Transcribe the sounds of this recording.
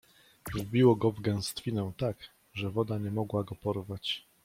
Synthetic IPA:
vbʲiwɔɡɔvɡɛw̃st̪fʲinɛw̃t̪ak | ʐɛvɔd̪aɲɛmɔɡwaɡɔpɔɾvat͡ɕ

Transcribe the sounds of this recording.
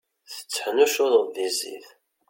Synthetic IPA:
θə̥t͡sːħnuʃʊðˤəðizḭθ

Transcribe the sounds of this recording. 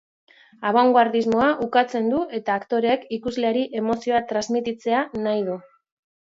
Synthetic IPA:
aβoŋɡwaɾðizmo̞aʔukat͡se̞nd̪ue̞t̪aːkt̪o̞ɾekikuzleaɾiʔe̞mo̞sio̞at̪ɾazmit̪it͡se̞anajðu

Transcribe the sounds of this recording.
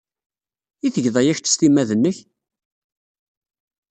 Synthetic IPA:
iθəʝðˤæjæçt̪ːə̥st̪imæðənːəç

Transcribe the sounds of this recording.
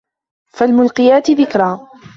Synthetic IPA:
falmʊlqɪjaːt̪ɪðɪkɾˤaː

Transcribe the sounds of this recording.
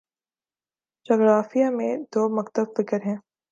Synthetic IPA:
d͡ʒɔːɡɾaːfijamẽd̪oːmɐkt̪əbfɪkəɾɦɛ̃ː

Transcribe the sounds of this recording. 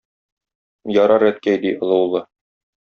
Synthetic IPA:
jɒɾɑɾæt̪kæjd̪iʔɤ̆lˠɤ̆wlˠɤ

